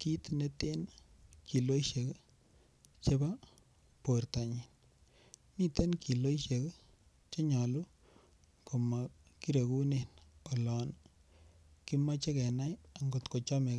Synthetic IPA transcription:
ki˦tne˦te˦n | kʰi˨lo˦jʃe˨k | t͡ʃe˦ba˦ | po˨rta˨ɲi˨n | mi˦te˦nki˨lo˦iʃe˨k | t͡ʃe˦ɲa˨lu˦ | ko˨ma˨ki˦ɾe˨ku˦ne˨no˨lɔ˨n | ki˦ma˦t͡ʃe˦kɛ˨na˦ja˨ŋɡo˨tko˨t͡ʃɔ˦me˨k

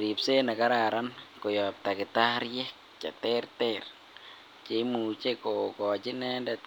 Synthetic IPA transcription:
ɾi˨pse˦na˨ka˦ɾa˨ɾankɔ˨jɔ˨p̚ta˨kɪ˨t̪a˦ɾjɛ˦k̚ | t͡ʃa̰˨tɛ˦ɾtɛɾ | t͡ʃe˨˦mu˨t͡ʃe˦ko˨kɔ˨t͡ʃɪ˦nɛ˦ndɛt̪

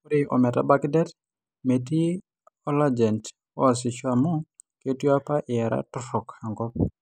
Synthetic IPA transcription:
u˦ɾiʔɔ̰˨mɛ˨ta̰˦ba˦kdɛ˦t | me˨ti˦ | ɔ˦lad͡ʒɛ˨nt | ɔ̰˦a˨sɪ˨t͡ʃwamɔ˦ | ke˦ti˦a˦pa˦ʔɪ˨a˨ɾa̰tʊ˦sɔ˨kha˨ŋɡɔ˦

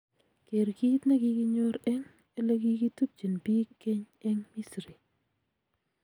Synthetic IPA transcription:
ke˨ɾki˦t̪na˦ki˦ki˦ɲo˦ɾɛ˦ŋ | e˦le˦ki˦ki˦tu˦p̚t͡ʃi˨npi˦kːe˦ɲ | ɛ˦ŋmi˦sɾi˨

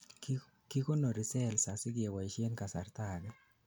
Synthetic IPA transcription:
ki˦ko˦no˨ɾɪ˨sɛ˦˨lsa˨sɪ˦ɡɪ˨e˨wa˨i˨ʃje˦nka˨sa̰˨rt̪a˨ɡɛ˦

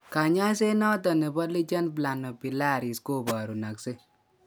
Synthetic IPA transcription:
ka˨ɲa˦se˦nɔ˦tɔ˨nɛ˨bɔ˦li˦t͡ʃa˦npla˨nɔ˨pi˨la˦˨ɾi˨sko˦˨ba˨ɾu˨na˨kse˦

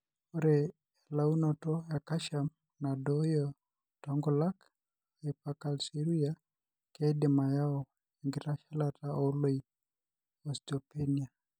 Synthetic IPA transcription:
o˦ɾe | ɛ˨la˦u˦nɔ˨tɔ˦a˨ka˦ʃa˨m | na˨dɔjɔ | tɔŋɡɔla˦k | e˨pakalsi˦ɾuja | ke˦dɪ˨ma˨ja˦ɔ | eŋɡiɾa˦ʃa˦lataʔo˦lo˦i | ɔstɔpe˦ni˨a˨

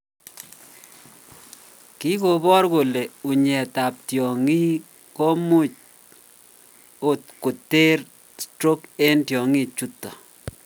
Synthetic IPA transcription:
ki˦ko˨bɔ˦rko˨le˨u˨ɲɛ˨ta˨p̚tjɔ˨ŋi˦ | ko˦mu˦t͡ʃ̚ | o˦t̚ku˨te˦r | stɾo˦ke˦ntjɔ˨ŋi˦t͡ʃu˦tːɔ˨

